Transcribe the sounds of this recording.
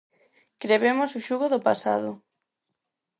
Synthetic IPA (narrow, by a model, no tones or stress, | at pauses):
kɾeβemʊsʊʃuɣʊðʊpasa̰ð̞ʊ